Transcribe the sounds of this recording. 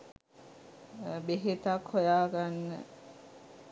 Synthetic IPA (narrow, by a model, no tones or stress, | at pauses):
beɦet̪akʰhojaːɡanːə̰